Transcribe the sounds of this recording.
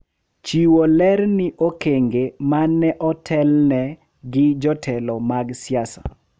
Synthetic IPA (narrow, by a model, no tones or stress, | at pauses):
t͡ʃiwolɛɾnɪʔokeŋɡemanːɛʔɔtʰɛlnɛ | ɡɪd͡ʒɔtʰɛlɔmaɡsɪjasa̰